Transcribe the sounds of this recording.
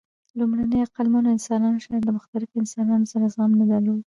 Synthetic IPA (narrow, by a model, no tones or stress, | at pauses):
lumɽanəjaqalmɑnoɪnsɑnɑnoʃɑɾd̪əmʊxt̪alɪfɪnsɑnɑnosaɾazɣamnad̪alod̪